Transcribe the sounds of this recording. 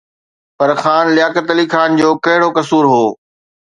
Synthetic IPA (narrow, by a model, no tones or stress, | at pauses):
pɐɾxaːnlɪjaːkət̪liːxaːnd͡ʑoːkɐɦɪɽokɐsuːɾɦoː